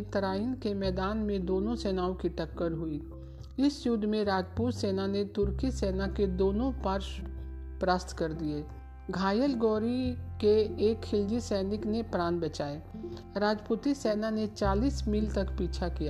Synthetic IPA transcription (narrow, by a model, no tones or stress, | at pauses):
t̪ɐɾaːɪnkemɛːd̪aːnmẽd̪oːnõsɛːnaːõkiʈɐkːəɾɦʊi | ɪsjʊd̪ʱːmẽɾaːd͡ʒpuːt̪seːnanet̪ʊɾkiseːnaked̪oːnõpaɾʃ | pɾaːst̪ʰkɐɾd̪ieː | ɡʱaːjəlɡɔːɾikeːkhɪld͡ʒisɛːnɪknepɾãːnbɐt͡ʃaːeː | ɾaːd͡ʒpuːt̪isɛːnanet͡ʃaːliːsmiːlt̪ɐkpiːt͡ʃʰakija